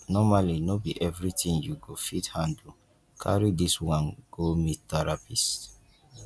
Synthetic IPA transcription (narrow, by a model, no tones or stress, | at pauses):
nɔmalinobiʔɛvɹitĩnjuɡofithãndl̩ | kʰa̰ɹidiswãnɡ̥omitɛɹapis